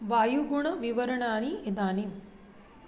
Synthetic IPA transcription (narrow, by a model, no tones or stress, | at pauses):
ʋaːjuɡuɳɐʋiʋɐɾɐɳaːniid̪aːnim